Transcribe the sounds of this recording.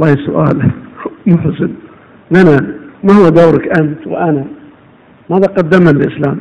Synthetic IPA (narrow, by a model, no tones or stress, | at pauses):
lːɑːhisʊʔaːlmʊħsɪn | nanamahuwːad̪aːɾˤakʔamt̪w̰ʔana | maðaqɑd̪ːamallʔɪslaːm